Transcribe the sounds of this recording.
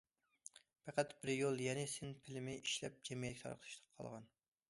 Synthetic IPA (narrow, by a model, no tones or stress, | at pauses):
pʰæqæt̪bɪɾjolˠjɛnɪsɪnpʰɪlɪmɪʔiʃlɛp̚d͡ʒɛmjɛlɪkʲt̪ʰɑ̰ɾqʰlˠʰɨʃt̪ʰə̥qʰɑ̰lˠʁɑn